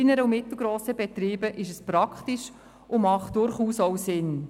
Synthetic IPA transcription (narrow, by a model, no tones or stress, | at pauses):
inəɾəʊmɪtl̩ˠɡɾoːsəbɛt̪ɾiːbəʔɪʃ̬əspɾɑkχtiʃ | ʔʊmɑχt̚d̥ʊɾχuːsɔwsɪn